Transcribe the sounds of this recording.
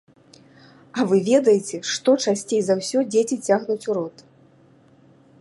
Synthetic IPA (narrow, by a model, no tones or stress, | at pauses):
ɐvɨvʲɛd̪ɐjet͡sʲɛʂt̪ɔt͡ʂasʲt͡sʲejzɐwsʲɔd͡zʲet͡sʲit͡sʲaɣnut͡sʲuɾɔt̪